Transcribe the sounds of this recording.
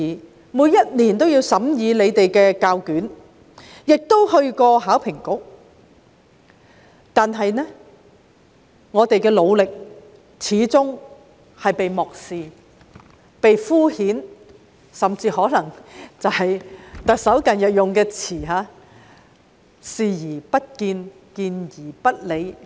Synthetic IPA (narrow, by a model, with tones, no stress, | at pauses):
i˨ | muː˨˧jɐ˥t̚liː˨˩nt̪o˥wjiː˧wsɐ˨˥mjiː˨˧le˨˧jt̪e˨jkɛː˧kaː˧wkyː˨˥n | jɪ˨k̚t̪o˥whɵ˧ɥkɔː˧ɦaː˨˥wpʰɪ˨˩ŋkʊ˥k̚ | t̪aː˨nɦɐ˨jnɛ˥ | ŋɔː˨˧t̪e˨jkɛː˧lo˨˧wlɪ˨k̚ | t͡sʰiː˨˧˥t͡sʊ˥ŋ | hɐ˨jpe˨jmɔː˨k̚siː˨ | pe˨jfuː˥hiː˨˥n | sɐ˨mt͡siː˧hɔː˨˥lɐ˨˩ŋt͡sɐ˨whɐ˨jt̪ɐ˨k̚sɐ˨˥wkɐ˨njɐ˨t̚jʊ˨ŋkɛː˧t͡sʰiː˨˩ɦaː˨˧ | siː˨˧jiː˨˩pɐ˥t̚kiː˧n | kiː˧njiː˨˩pɐ˥t̚le˨˧j